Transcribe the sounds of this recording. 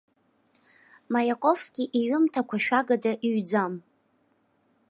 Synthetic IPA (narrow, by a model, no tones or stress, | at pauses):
majakʷʼofskʲʼiʔiɥʊmtʰakʷʰaʃᶣaɡadaʔiɥd͡zam